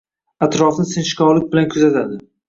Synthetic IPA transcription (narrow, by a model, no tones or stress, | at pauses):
at̪ɾɒfnɪsɪnʃɪ̥kʲʰɒwlɪk̚ʲbɪlankʰʊzat̪ʰad̪ɪ